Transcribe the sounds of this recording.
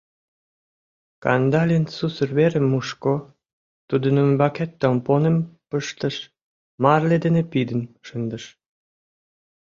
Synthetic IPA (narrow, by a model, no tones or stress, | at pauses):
kɑ̰nd̪ɑlʲensusərβeɾemːuʃko | t̪ud̪ə̆nəmbɑket̪ːomponəmpəʃt̪ə̆ʃ | mɑrled̪enepid̪ənʃənd̪əʃ